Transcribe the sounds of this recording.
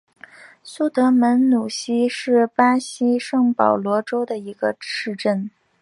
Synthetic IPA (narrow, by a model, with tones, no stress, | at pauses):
su˥˩t̪ɤ˧˥mə˧˥nnu˨˩ɕi˥ʂɻ̩˥˩pa˥ɕi˥ʂɤ˥˩ŋpɑ˨˩ʊlwɔ˧˥ʈ͡ʂo˥ʊd̪ə˨i˧˥ɡə˧ʂɻ̩˥˧ʈ͡ʂə˥˩n